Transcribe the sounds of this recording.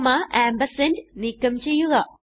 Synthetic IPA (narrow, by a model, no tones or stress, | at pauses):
maʔaːmbɐsenɖnikːɐmt͡ʃejuɡa